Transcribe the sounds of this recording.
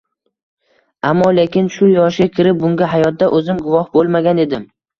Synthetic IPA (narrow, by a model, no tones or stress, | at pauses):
amːɒlekʲɪnʃʊjɒʃɡʲakʲʰɪɾɪp̚bʊŋɡʲaɦajɒt̪̚d̪aʔɵzɪmɡʊvɒhbolˠmaɡʲane̞d̪ɪm